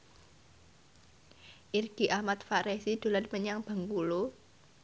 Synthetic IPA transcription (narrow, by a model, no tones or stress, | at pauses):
ʔirɡ̥i̤ʔahmat̪faɾesid̪̥o̤lanməɲaŋb̥a̤ŋkulo